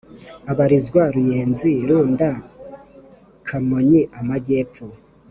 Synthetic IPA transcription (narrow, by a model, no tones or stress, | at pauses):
aβaɾizɡwaɾujeːnziɾuːnda | kʰamoɲiʔamaɟeːpo